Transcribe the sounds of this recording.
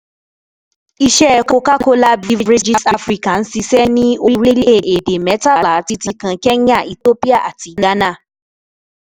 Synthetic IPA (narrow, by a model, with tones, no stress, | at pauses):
i˧ʃɛ˦˧ko˧ka˦ko˦la˦bi˦˧ɾi˦d͡ʒi˦˧sa˧fɾi˧ka˨n̩˦si˧sɛ˦nĩ˦o˧˦ɾi˦le˦˨ʔe˨de˨mɛ˨˦ta˦˨la˨˦ti˧tĩ˧kã˧kɛ˦ã˦˨i˨to˦pi˦a˦˨ʔa˨ti˨˧˦ɡa˦nã˦˨